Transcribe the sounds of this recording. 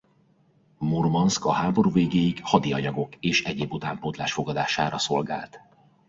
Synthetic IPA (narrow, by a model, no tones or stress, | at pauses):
mormɒnskɒhaːbo̞ɾuːveːɡeːjikhɒd̪iɒɲɒɡo̞keːʃɛɟeːbut̪aːmpot̪laːʃfo̞ɡɒd̪aːʃa̰ːɾɒso̞lɡa̰ːlt̪